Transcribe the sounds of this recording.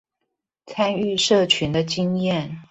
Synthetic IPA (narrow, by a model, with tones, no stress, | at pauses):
t͡sʰa˥ny˥˧ʂɤ˥˩t͡ɕʰy˧˥nd̪ə˧t͡ɕi˥ŋjɛ˥˩n